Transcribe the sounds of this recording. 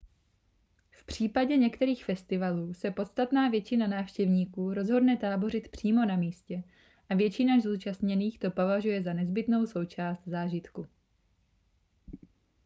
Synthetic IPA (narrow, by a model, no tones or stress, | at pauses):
fpr̝̥iːpaɟɛɲɛkt̪ɛɾiːxfɛst̪ɪvaluːsɛpo̞t̪st̪at̪naːvjɛt͡ʃɪnanaːfʃcɛvɲiːkuːɾo̞zɦo̞dnɛt̪aːbo̞rɪt̪pr̝̥iːmo̞namiːscɛ | ʔavjɛt͡ʃɪnazuːt͡ʃast̪ɲɛniːxt̪o̞po̞vaʒujɛzanɛzbɪt̪no̞wso̞wt͡ʃaːst̪zaːʒɪt̪ku